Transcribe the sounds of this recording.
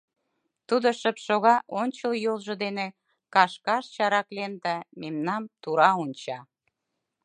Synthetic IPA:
t̪ud̪oʃəpʃoɣɑʔonʲt͡ɕəljolʒŏd̪ene | kɑʃkɑʃt͡ɕɑɾɑklend̪æmemnɑmt̪uɾɑonʲt͡ɕɑ

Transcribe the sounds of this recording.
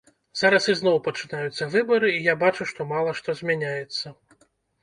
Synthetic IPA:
z̥aɾɐsiznɔwpɐt͡ʂɨnajut̪sːɐvɨbɐɾɨijabat͡ʂuʂt̪ɔmalˠɐʂt̪ɔzʲmʲanʲajɛt̪sːɐ

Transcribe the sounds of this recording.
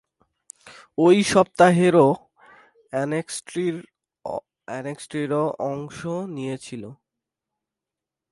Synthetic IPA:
ojʃɔp̚t̪aɦeɾo | nesʈɾiɾ | ɛneksʈɾiɾoʔɔŋʃonijet͡ɕʰilo

